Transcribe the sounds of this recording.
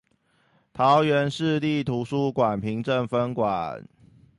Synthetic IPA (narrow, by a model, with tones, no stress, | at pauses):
t̪ʰɑ˨˦ʊɥɛ˨˦nʂɻ̩˥˧li˥˨t̪ʰu˨˦ʂu˦kwa˨˩npʰi˨˦ŋʈ͡ʂə˥˨ŋfə˦˥nkwa˨˩n